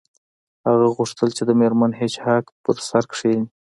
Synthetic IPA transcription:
haɣaɣuʂt̪əlt͡ʃed̪əmeɾmanɦet͡ʃhakpəɾsaɾkʂi

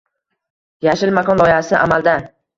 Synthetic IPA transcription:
jaʃɪlmakʰɒnlˠɒɪhasɪʔamald̪a

